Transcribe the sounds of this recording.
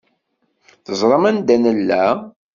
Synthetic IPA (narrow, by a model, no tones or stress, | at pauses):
θəzˤɾˤɑmænd̪ænəlːæ